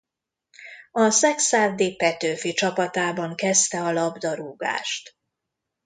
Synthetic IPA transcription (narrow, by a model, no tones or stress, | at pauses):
ɒsɛksaːvd̪iːpɛt̪øːfit͡ʃɒpɒt̪aːbɒŋkɛst̪ɛɒlɒbd̪ɒɾuːɡa̰ːʃt̪